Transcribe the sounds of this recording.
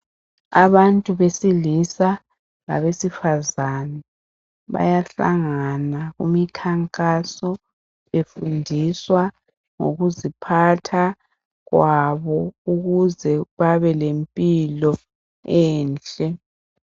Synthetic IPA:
aβantʼuβesilisa | la̰βesifazanɛ | βa̰jaɬa̰ŋanaɣṵmikʰaŋkʼasɔ | βefundʱiswa | ŋo̰ɣuzipʰatʰa | ɣwaβɔuɣuzɛβaβɛlempʼilɔ | ɛːnt͡ɬʼɛ

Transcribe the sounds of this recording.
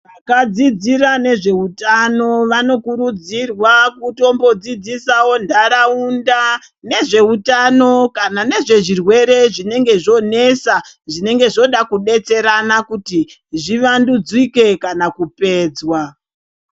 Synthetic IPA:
ʋakad͡zid͡ziɾane̞ʐe̞utano̞ʋano̞kurud͡zirwakuto̞mbo̞d͡zid͡zisawo̞ndʱaɾaunda | ne̞ʐe̞utano̞kanane̞ʐe̞ʐirwe̞ɾe̞ʐine̞ŋɡe̞ʐo̞ne̞saʐine̞ŋɡe̞ʐo̞ɗakuɗe̞t͡se̞ɾanakuti | ʐiʋandud͡zwike̞kanakupe̞ːd͡zwa

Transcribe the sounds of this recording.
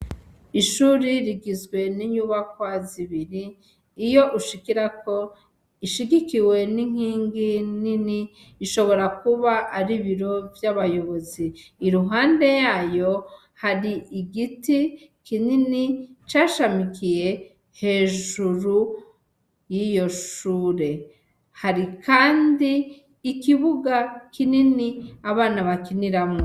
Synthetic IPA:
iʃuːɾiɾiɡizɡwe̞niɲuβakwaziβiɾiː | jo̞ʔuʃikiɾako̞ | iʃiɡikiwe̞niŋ̥hiːŋɡininiː | ʃo̞βo̞ɾakuβaʔːɾiβiɾo̞vjaβajo̞βo̞ziːɾuɦaːnde̞jaːjo̞ | haɾiʔiɡiti | kininit͡ʃaːʃamikije̞ | he̞ːʒuɾu | jijo̞ʃuːɾe̞ | haɾikʰaːndiː | kiβuɡakininiaβaːnaβakiniɾamŋo

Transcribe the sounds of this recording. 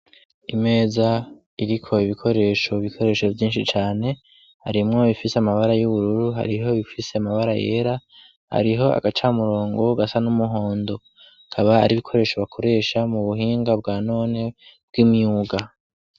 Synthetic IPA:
ime̞ːza | iɾikʰo̞iβikʰo̞ɾe̞ːʃo̞βikʰo̞ɾe̞ːʃo̞vjiːnʃit͡ʃaːne̞ | ha̰ɾimŋo̞βifiseamaβaɾajuβuɾuɾuɦa̰ɾiɦo̞βifise̞amaβaɾaje̞̰ːɾa | ha̰ɾiɦo̞a̰ɡat͡ʃamuɾo̞ːŋɡo̞ɡasanumuɦo̞ːndo̞ | kʰaβaa̰ɾiβikʰo̞ɾe̞ːʃo̞βakʰo̞ɾe̞ːʃamuβuɦiːŋɡab̚ɡaːno̞ːne̞b̥̚ɡ̥imjuːɡa

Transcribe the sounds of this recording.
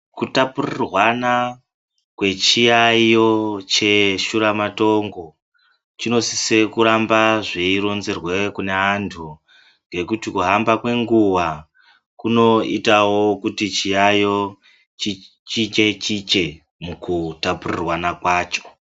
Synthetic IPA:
kutapurirwana | kwe̞t͡ʃijajo̞t͡ʃe̞ʃuɾamato̞ŋɡo̞ | t͡ʃino̞sise̞kuɾambaʐeiɾo̞nzerwekuneantʰu | ŋɡe̞kutikuɦambakwe̞ŋɡuwa | kuno̞itawo̞kutit͡ʃijajo̞ | t͡ʃi | t͡ʃit͡ʃe̞t͡ʃit͡ʃe̞ | mukutapurirwanakwaːt͡ʃo̞̥

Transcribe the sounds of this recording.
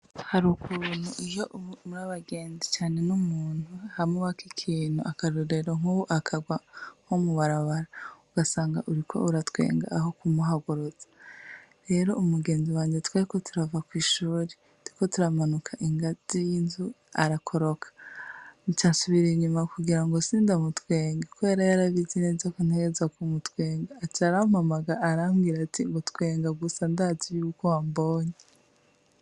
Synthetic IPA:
haɾukʰun̥huʔijoʔmuɾaβaɡe̞ːnzit͡ʃaːne̞numuːn̥huahamuβakikʰiːnhuakaɾoɾeɾoŋuwoʔakʰaɡwaŋ̥omuβaɾaβaɾauɡasaːŋɡaʔuɾikʰo̞̰uɾatwe̞̰ːŋɡa̰ːɦokumuɦaɡuɾozḁɾe̞ːɾo̞ʔumuɡe̞ːnziwaːɲetwaːɾiko̞tʰuɾavakwiːʃuːɾe | diko̞tuɾamanukʰaʔiŋɡaz̥ijinzu | aɾakʰo̞ɾo̞kʰḁnit͡ʃaːsuβiɾeɲumakuɡiɾaŋɡosiːndamutweːŋɡekuβe̞ːɾajaɾaβizinezakun̥heɡezwakumutwe̞ːŋɡaːt͡ʃaɾamamaɡaːɾamɡiɾatiŋɡotkwe̞ːŋɡaɡusandazijukowamboːɲe

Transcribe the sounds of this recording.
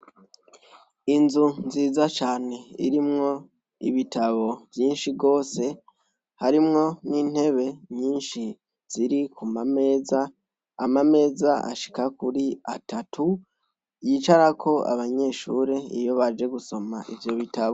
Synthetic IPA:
inzunziːzat͡ʃaːne̞ḭɾimŋo̞ | ḭβitʰaβo̞vjiːnʃiɡo̞ːse̞ | haɾimŋo̞niːn̥he̞βe̞ɲiːnʃi | z̥iɾikʰumame̞ːzaː | mame̞ːzaʔa̰ʃi̥kakuɾiatʰatʰu | jiːt͡ʃaɾakʰo̞a̰βaɲe̞ːʃuːɾe̞ijo̞βad͡ʒe̞ɡuso̞maʔivjo̞βitaβo

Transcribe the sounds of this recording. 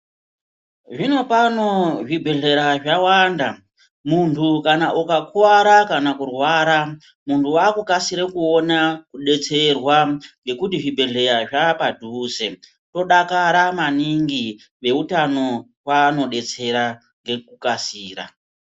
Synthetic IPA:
ʐino̞pano̞ʐibʱe̞ɮe̞ɾaʐawanda | muntʰukanaʔukakuwaɾakanakurwaːɾa | muntʰuwakukasiɾekuonakuɗe̞t͡se̞rwaŋɡe̞kutiʐibʱe̞ɮe̞ɾaʐapadʱuːze̞ | to̞ɗakaɾamaniŋɡi | ʋe̞utano̞rwano̞ɗe̞t͡se̞ɾa | ŋɡe̞kukasiːra̰

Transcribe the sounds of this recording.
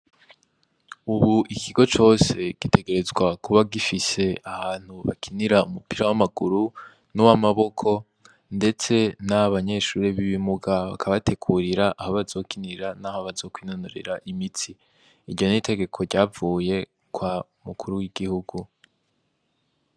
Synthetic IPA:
uβuʔikʰiɡo̞t͡ʃo̞ːse̞ɡ̥ite̞ɡe̞ɾe̞zɡwakuβaɡifise̞ahaːn̥huβa̰kʰiniɾaumupiɾawamaɡuɾu | nowamaβo̞kʰo̞ | nde̞t͡se̞naβaɲe̞ʃuːɾiβiβimuɡaβa̰kʰaβate̞kʰuɾiɾaʔahoβazo̞ːkiniɾanaːhoβazo̞kwiːnonoɾḛɾaʔimiti | iɾɟo̞nitʰe̞ɡe̞kʰo̞ɾɟaːvuːje̞ | kwa | mukʰuɾuwiɡihuɡu

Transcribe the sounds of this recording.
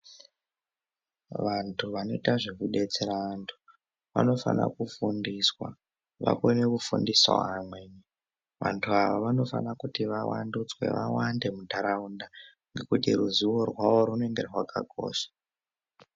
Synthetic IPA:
ʋantʰuʋano̞itaʐekuɗe̞t͡seɾaantʰu̥ | ʋa̰no̞fa̰na̰kufundiswa̰ | ʋa̰konekufundiswa̰amweɲi | ʋa̰ntʰuaʋaʋano̞fanakutiʋawandut͡swe̞̰ʋawande̞mudʱaɾaunda | ŋɡe̞kutiruziwo̞rwaʋo̞ɾunoe̞ŋɡe̞rwaka̰ɡʱo̞̰ːʃḁ

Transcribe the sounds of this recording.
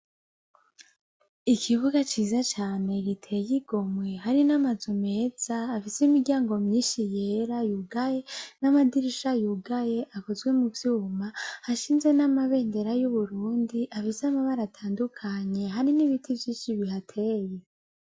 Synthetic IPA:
ikʰiβuɡat͡ʃiːzat͡ʃaːne̞ɡitʰejiɡ̥o̞mwehaɾinamazome̞ːz̥aːfiseimiɡɟʲjaːŋɡo̞mɲiːnʃijeɾajuɡaje̞namadiɾiʃajuɡaje̞ʔakozɡwe̞muvjuːmahaʃiːnzwe̞namaβe̞ːnde̞ɾajuβuɾuːndiʔafisamaβaɾatʰaːndukʰaɲe̞ɦaɾiniβitʰivjiːʃiβiɦatʰe̞ːje̞

